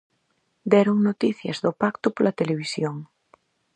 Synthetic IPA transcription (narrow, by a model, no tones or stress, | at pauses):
d̪ɛɾoŋnot̪iθjɐ̰zðopakt̪opolat̪eleβ̞isjoŋ